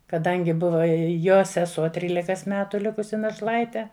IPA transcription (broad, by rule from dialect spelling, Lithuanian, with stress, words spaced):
kɐˈdɐŋʲɡʲɪ ˈbʊʋɐ ɪ ˈjoː sʲɛˈsuɔ ˈtʲrʲiːlʲɪkɐs ˈmʲæːtʊ ˈlʲɪkʊsʲɪ nɐʃˈlˠɐɪtʲɛ